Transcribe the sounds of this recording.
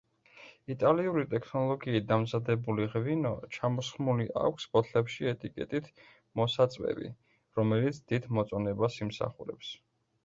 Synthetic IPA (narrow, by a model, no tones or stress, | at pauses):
it̪ʼaliuɾit̪ʼɛkʰnɔlˠɔɡiːt̪̚d̪amzad̪ɛbuliʁvinɔt͡ʃʰamɔsχmuliʔa̰kʷʰspʼɔt̪ʰlɛpʃiɛt̪ʼikʼɛ̰t̪ʼit̪ʰ | mɔsat̪sʼvɛ̰bḭ | ɾɔmɛlit̪sʰd̪̥id̪mɔt̪sʼɔnɛbasimsa̰χuɾɛ̰ps